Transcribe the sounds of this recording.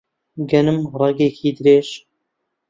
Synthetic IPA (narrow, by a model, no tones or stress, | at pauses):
ɡɐnɨmɾˤɑɡeːkʰiːd̪ɾeːʃ